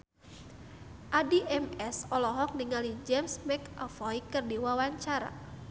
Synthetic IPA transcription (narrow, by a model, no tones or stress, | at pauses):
ʔadiʔɛmɛsɔlɔɦɔk̚niŋalid͡ʒɛmsmɛkafɔikɨrdiwawaɲt͡ʃaɾa̰